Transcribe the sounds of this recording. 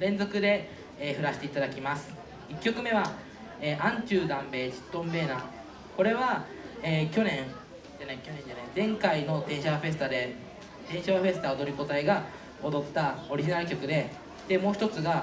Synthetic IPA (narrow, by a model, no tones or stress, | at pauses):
ɾẽ̞nd͡zo̞kɯ̟d̪e̞ː | ɸɯ̟ɾaɕi̥t̪e̞it̪ad̪akʲimasɨ̥ | ikʲːo̞kɯ̟me̞β̞a | eːʔãɲ̟t͡ɕɨːd̪ãmbe̞ːt͡ɕi̥t̪ːõ̞mbe̞ːnaː | ko̞ɾe̞βa | eːkʲo̞nẽ̞ŋ | anekʲonẽɲd͡ʑanẽd͡zẽ̞ŋkaino̞t̪ẽ̞ɰ̃ɕaβaɸe̞s̬ɨ̥t̪ad̪e̞ | t̪ẽ̞ɰ̃ɕaβaɸe̞sɨ̥t̪aod̪o̞ɾʲiko̞t̪aiɡa | od̪o̞t̪ːao̞ɾʲiʑinaɾɯ̟kʲo̞kɯ̟d̪e̞ | d̪emo̞ːçi̥t̪o̞t͡sɨɡa